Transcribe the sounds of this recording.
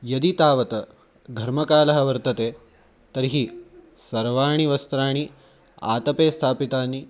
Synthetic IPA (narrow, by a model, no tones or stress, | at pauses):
jɐd̪it̪aːʋɐt̪ɐ | ɡʱɐɾmɐkaːlɐɦɐ̆ʋɐɾt̪ɐt̪eː | t̪ɐɾɦisɐɾʋaːɳ̃iʋɐst̪ɾaːɳ̃i | a̰ːt̪ɐpeːst̪ʰaːpit̪aːnːi